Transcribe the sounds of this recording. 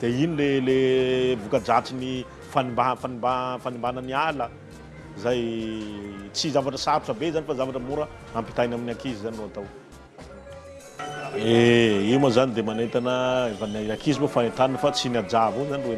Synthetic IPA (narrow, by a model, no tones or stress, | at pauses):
d̪̥einilelevukad͡ʒat͡sini | fanimbafanimbafanimbanənialə | zaj | t͡sizavaʈ͡ʂəsaɾuʈ͡ʂəbezanifazavaʈ͡ʂəmuɾə | ampi̥t̪ajnaminiakizizaninoat̪aw | eimazanid̪emanet̪anəefanaakizibofanent̪aninfat͡sinad͡ʒavozaniwe